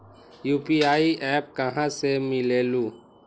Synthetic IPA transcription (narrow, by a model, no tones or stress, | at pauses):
juːpiaːiʔɛːp̚kɐɦãsemɪleːluː